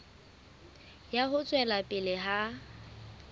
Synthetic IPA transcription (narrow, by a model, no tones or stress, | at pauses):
jaɦʊt͡sʼwɛlapʼɪlɪɦa